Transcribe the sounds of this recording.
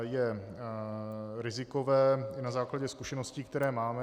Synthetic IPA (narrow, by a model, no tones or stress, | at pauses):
jɛ | ɾɪzɪkovɛːɪnazaːklaɟɛskuʃɛnosciːkt̪ɛɾɛːmaːmɛ